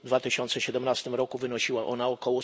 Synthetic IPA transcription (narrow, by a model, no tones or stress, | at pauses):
d̪vat̪ɘɕɔnt̪sɛɕɛd̪ɛmnast̪ɘmɾɔkuvɘnɔɕiwaʔɔnaɔkɔwɔ